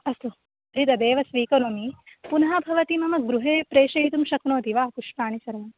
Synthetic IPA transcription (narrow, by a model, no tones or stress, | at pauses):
ɐst̪u | ɾid̪ɐd̪eːʋɐsʋiːkɐɾumipunɐɦaːbʱɐʋɐt̪imɐmɐɡɾuɦeːpɾeːʃɐɦit̪umʃɐknoːt̪iʋaːkuʂpaːɳisɐɾɐmɐm